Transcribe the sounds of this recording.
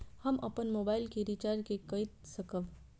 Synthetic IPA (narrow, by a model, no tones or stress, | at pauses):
hɐmɐpənmoːbaːɪlkiɾit͡ʃaːɾd͡ʒkekɐit̪sɐkəʋ